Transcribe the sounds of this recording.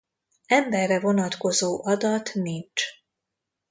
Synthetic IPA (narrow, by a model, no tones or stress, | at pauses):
ɛmbɛrːɛvo̞nɒt̪ko̞zoːʔɒd̪ɒt̪nint͡ʃ